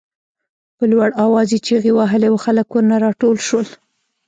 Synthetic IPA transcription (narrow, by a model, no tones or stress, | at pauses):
pəlwaɽɑwɑzit͡ʃeɣewaɦəlewxaləkwəɾnaɾɑʈolʃwəl